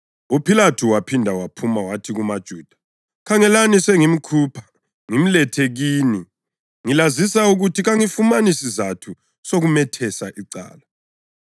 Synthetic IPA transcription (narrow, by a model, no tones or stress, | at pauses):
upʰilatʰuwapʰindʱawapʰumawatʰiɣumad̥ʒ̥ʱuːd̥ʱḁ | kʰaŋɛlanisɛŋim̩kʰuːpʰḁ | ŋim̩lɛtʰeɣiːni | ŋilazisauɣutʰiɣaŋifumanisizatʰu | soɣumɛtʰɛsaʔiǀa̰ːla